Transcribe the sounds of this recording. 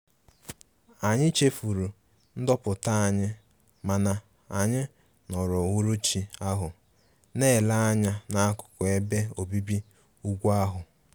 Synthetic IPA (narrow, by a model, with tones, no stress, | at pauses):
a˨ɲɪ˦t͡ʃe˦fu˨ɾu˨ | n̩˦dɔ˦pʊ˨ta˦a˨ɲɪ˦ | ma˨na˨ | a˨ɲɪ˦ | nɔ˨ɾʊ˨wʊ˦ɾu˦t͡ʃi˨a˦ɦʊ˨ | ne˦˨la˦a˦ɲa˦na˦kʊ̥˨kʊ˨e˦be˦o˨bi˦bi˦ | u˦ɡʷa˦ɦʊ˨